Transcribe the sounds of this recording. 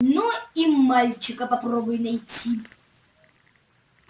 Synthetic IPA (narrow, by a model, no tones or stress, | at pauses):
nuimalʲt͡ʃʰɪkʼɐpɐprɔbʊjnɐjt͡sʲʰi